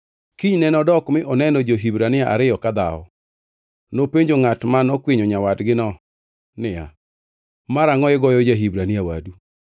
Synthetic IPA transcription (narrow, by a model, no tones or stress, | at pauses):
kiɲnɛnɔdɔkmɪʔɔnɛnɔd͡ʒoɦibɾanɪaʔa̰ɾɪjɔkad̪aɔ̰ | nopeɲd͡ʒoŋatmanɔkweɲoɲawadɡɪnɔ | nɪja̰ | maɾaŋɔɪɡɔjɔd͡ʒaɦibɾanɪawa̰du